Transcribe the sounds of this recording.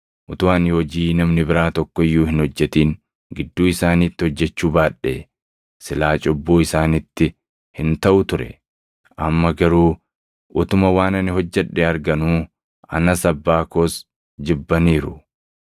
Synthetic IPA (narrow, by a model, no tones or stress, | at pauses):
ʔʊt̪ʊwaːnɔd͡ʒiːnɐmnɪbɪɾaːt̪ɔkːɔɪjːuːhɪnhɔd͡ʒːɛt̪iːn | ɡɪd̪ːuːɪsaːniːt̪ːɪhɔd͡ʒːɛt͡ʃːuːbaːᶑːḛː | sɪlaːt͡ʃʼɔbːuːɪsaːnɪt̪ːɪ | hɪnt̪ɐʔʊt̪ʊɾɛ̰ | ʔɐmːɐɡɐɾuː | ʔʊt̪ʊmɐwaːnɐnɪɦɔd͡ʒːɛᶑːeɐɾɡɐnuː | ɐ̰nɐsɐbːaːkoːs | d͡ʒɪbːɐniːɾʊ